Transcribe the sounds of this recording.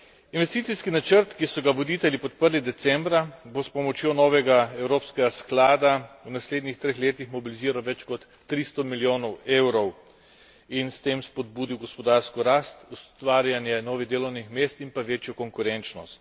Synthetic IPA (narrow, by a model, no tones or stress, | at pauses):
inʋɛst̪iːt̪iskinat͡ʃəɾt̪kisɔɡaʋɔd̪iːt̪ɛljipɔt̪pəɾlid̪ɛt̪sɛmbɾabospɔmɔt͡ʃjoːnɔːʋɛɡaɛwɾoːpskɛɡasklaːd̪awnasleːd̪nixt̪ɾeːxleːt̪ixmɔbiliziːɾawʋɛt͡ʃkɔt̪ːɾist̪ɔmiljoːnɔweːwɾɔw | inst̪eːmspɔd̪̚buːd̪iwɡɔspɔd̪aːɾskɔɾaːst̪ust̪ʋaːɾjanjɛnɔːʋiɣd̪eːlɔwnixmeːst̪impaʋeːt͡ʃjɔkɔŋkuɾɛnt͡ʃnɔst̪